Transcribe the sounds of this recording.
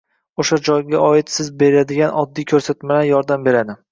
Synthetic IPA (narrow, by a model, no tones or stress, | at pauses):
oʃad͡ʒɒjɡʲaɒɪt̪sɪzbe̞ɾɪlad̪ɪɡʲanɒd̪ːijkʲʰɵɾsat̪malajɒɾd̪ambe̞ɾad̪ɪ